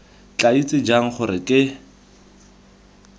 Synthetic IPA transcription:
t͡ɬʼait͡sʼɪd͡ʒaŋ̩χʊɾɪkʼɪ

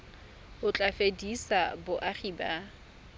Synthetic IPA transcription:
ʊt͡ɬʼafedisabʊʔaχiːba

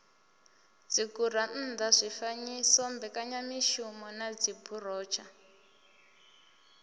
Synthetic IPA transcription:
d͡zikuɾan̩nd̪azʷifaɲisɔmbɛkaɲamiʃumɔnad͡zibʰʱur̤ɔːt͡ʃʰa

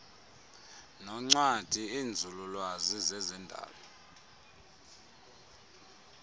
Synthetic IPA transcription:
nɔŋ͡ǀwad̥ʱiiːnd͡zʱululwazizɛzɛndʱa̰ːlɔ

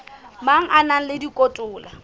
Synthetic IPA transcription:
maŋ̩ʔanaŋ̩lɪdikʼotʼʊːla

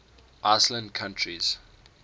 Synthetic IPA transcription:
ʔaɪslə̃ndkʰãntʰɹiz̥

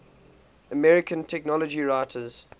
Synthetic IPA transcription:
əmɛɹɪkʰə̃ntʰɛknɔləd͡ʒiɹaɪtʰəz̥

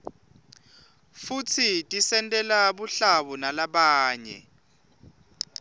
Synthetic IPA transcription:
futʰitʼisɛntʼɛlaɓuɬaɓunalaɓaːɲɛ̰

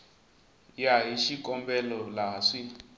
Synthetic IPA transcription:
jaɦiʃikɔmbɛlɔlaʂi

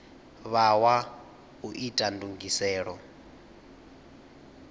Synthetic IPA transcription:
βawa | uʔitʼanduŋɡisɛːɺɔ

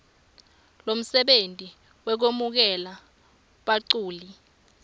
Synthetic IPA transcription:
lom̩sɛɓentʼi | wɛk̬omuk̬ɛla | ɓaǀuːli

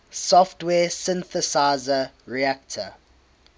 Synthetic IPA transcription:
sɔftwɛːsɪ̃nθəsaɪzə | ɹiak̚tʰə̰

